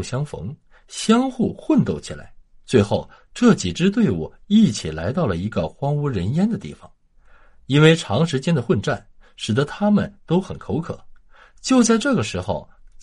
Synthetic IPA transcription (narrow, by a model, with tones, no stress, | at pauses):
ɕjɑ˥ŋfɤ̰˧˥ŋ | ɕjɑ˥ŋxu˥˩xwə˥˧nt̪o˥˩ʊt͡ɕʰḭ˨˩la̰˧˥ɪt͡swe˥˧ɪxo˥˩ʊ | ʈ͡ʂɤ˥˩t͡ɕi˨˩ʈ͡ʂɻ̩˥t̪̬we˥˩ɪwu˨˩i˥˩t͡ɕʰi˨˩la˧˥ɪt̪ɑ˥˩ʊlə˩i˧˥ɡə˧xwɑ˥ŋu˧˥ɻə˧˥njɛ˥nd̪ə˨t̪ḭ˥˩fɑ̰˨˩˦ŋ | i˥nwe˥˩ɪʈ͡ʂʰɑ˧˥ŋʂɻ̩˧˥t͡ɕjɛ˥nd̪ə˨xwə˥˧nʈ͡ʂa̰˥˩nʂɻ̩˨˩d̪ə˧˦t̪ʰa˥mə˨nt̪o˥ʊxə˨˩nkʰo˧˥ʊkʰɤ̰˨˩˦ | t͡ɕjo˥˧ʊt͡sa˥˧ɪʈ͡ʂɤ˥˩ɡə˩ʂɻ̩˧˥xo˧ʊ